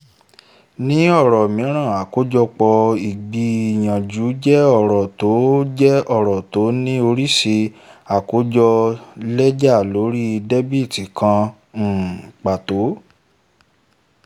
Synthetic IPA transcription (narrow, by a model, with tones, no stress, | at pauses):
nĩ˦ɔ˦˨ɾɔ˨mĩ˨˦ɾ̃ã˦˨a˨ko˨˦d͡ʒɔ˧k͡pɔ˧i˨ɡ͡bi˧i˨j̃ã˨d͡ʒu˨˦d͡ʒɛ˦ɔ˦˨ɾɔ˨to˨˦d͡ʒɛ˦ɔ˦˨ɾɔ˨to˨˦nĩ˦o˧ɾi˦ʃe˧a˨ko˨˦d͡ʒɔ˧lɛ˦d͡ʒa˦˨lo˨˦ɾi˦˧dɛ˦bi˦˨ti˨kʰã˧˨ | k͡pa˨to˨˦